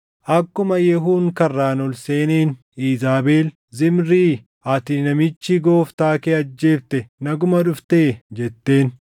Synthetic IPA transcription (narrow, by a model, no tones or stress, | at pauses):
ʔɐkːʊmɐjɛɦuːŋkɐrːaːnɔlse̞ːneːn | iːzaːbeːl | zɪmɾiː | ʔɐt̪ɪnɐmɪt͡ʃːɪɡo̞ːft̪aːkeːɐd͡ʒːe̞ːft̪ɛnɐɡʊmɐᶑʊft̪e̞ːd͡ʒɛt̪ːe̞ːn